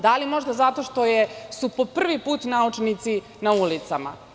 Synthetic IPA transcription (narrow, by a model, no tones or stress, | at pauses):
d̪alimo̞ʒd̪azat̪o̞ʃt̪o̞jesupo̞pr̩ʋipuːt̪naut͡ʂnit̪si | naulit̪sama̰